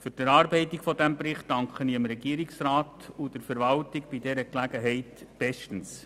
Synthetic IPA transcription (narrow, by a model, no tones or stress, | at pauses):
fʏɾd̥ɛɾɑːɾbɛɪtɪkfɔdæmpɾɪχtdɑŋkχəniəmɾɛɡiːɾɪksɾaːtud̥əɾfɛɾʋɑltɪɡb̥idɛɾəklæɡ̥əɦɛɪtb̥ɛʃtən̩s